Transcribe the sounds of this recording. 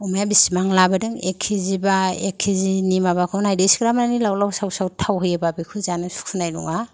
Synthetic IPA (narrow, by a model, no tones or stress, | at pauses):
ɔmajabisimaŋlabadɯŋekʰːizibaekʰːizinimabakʰnajdejsɡɾamnanilawlawsawsawtʰawɦɯjababikʰuzanɯsu̥kʰunajlṵŋa